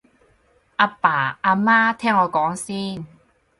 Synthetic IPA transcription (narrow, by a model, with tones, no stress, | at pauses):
ʔaː˧paː˨˩ʔaː˧maː˥t̪ʰɛː˥˩ŋɔː˨˧kɔː˨˥ŋsiː˥˩n